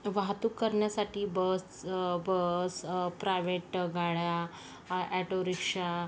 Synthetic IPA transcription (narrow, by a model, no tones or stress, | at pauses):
ʋaɦt̪uːkːəɾɳjasaʈiːbəsbəspɾajʋeʈɡaɭja | ɛʈoɾikʂa